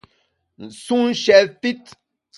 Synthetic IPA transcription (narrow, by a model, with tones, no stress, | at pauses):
n̩˨su˦n̩˦ʃɛ˨lfi˦t